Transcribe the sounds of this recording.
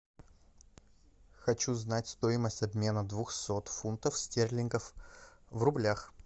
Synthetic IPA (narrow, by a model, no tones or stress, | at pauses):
xɐt͡ɕuznatʲst̪o̞ɪməsʲtʲɐbmʲe̞nəd̪vuxsot̪funt̪əfsʲtʲerʲlʲɪnɡəfvrʊblʲax